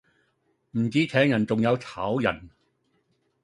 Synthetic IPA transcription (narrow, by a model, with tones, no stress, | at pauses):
m̩˨˩t͡siː˨˥t͡sʰɛː˨˥ŋjɐ˨˩nt͡sʊ˨ŋjɐ˨˧wt͡sʰaː˨˥wjɐ̰˨˩n